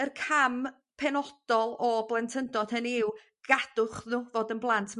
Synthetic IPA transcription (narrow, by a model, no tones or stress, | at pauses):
ərkʰam | pʰɛnɔd̥ɔlˠɔblˠɛntʰəndɔd̥hənɪw | ɡ̥ad̥ʊχðuːvoːdənblˠantʰm